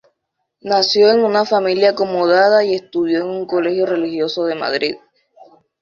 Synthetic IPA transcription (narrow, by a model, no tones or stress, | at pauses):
nasjo̞e̞ŋunafamiljaːko̞moðaðaie̞st̪uðjoeŋuŋko̞le̞xjo̞re̞lixjo̞so̞ðe̞ma̰ðɾið